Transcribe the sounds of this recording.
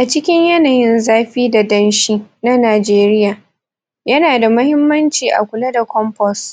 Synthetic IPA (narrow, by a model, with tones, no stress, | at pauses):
ʔa˨t͡ʃɪ˦kʲɪ˦ɲjɐ˦naː˨jɪ˦nzaː˦ɸiː˦da˨dɐ˦nʃiː˦na˦naː˨d͡ʒeː˦ɾɪ˦jaː˨ | jɐ˦naː˨da˨mɐ˦hɪ˦mːɐ˦nt͡ʃiː˨ʔa̰˨kʷʊ˨lɐ˦da˨kʷɔ˦mpɔ˦s